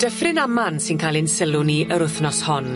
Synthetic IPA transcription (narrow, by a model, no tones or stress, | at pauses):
d̥əfrɪnamansɪnkʰalˠɪnsɪlˠʊniʔəɾʊθnɔshɔn